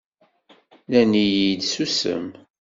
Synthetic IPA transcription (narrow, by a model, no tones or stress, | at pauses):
lænijid̪susə̰m